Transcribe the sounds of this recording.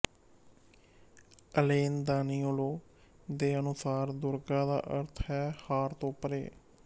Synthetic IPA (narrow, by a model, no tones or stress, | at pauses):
əleːnd̪aːniːoːloː | d̪eːənʊsaːɾd̪ʊɾɡãːd̪a̰ːʔəɾt̪ʰɦɛːhaːɾt̪õːpəɾḛː